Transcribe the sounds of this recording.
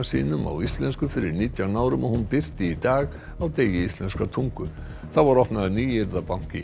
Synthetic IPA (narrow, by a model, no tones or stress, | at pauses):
sḭːnʏma̰wist̪lɛnskʏfɪɾɪɾniːt̪jawnaːwɾʏmɔhunpɪr̥t̪ɪit̪aːɣ | awt̪eːjɪist̪lɛnskat̪ʰuŋkʏɾ | θavaɾɔhpnaðniːɪɾðapaŋ̥cɪ